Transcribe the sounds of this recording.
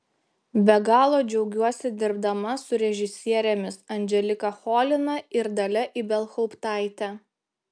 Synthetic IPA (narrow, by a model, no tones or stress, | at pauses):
bʲɛɡɑːlˠoːd͡ʒʲɛʊɡʲuɔsʲɪd̪ʲɪɾbd̪ɐmɐsʊɾʲɛʒʲɪsʲiɛɾʲɛmʲɪsɐnʲd͡ʒʲɛlʲɪkɐxoːlʲɪnɐɪɾd̪ɐlʲɛʔiːˑbʲɛlˠxɔʊpt̪ɑˑɪt̪ʲɛ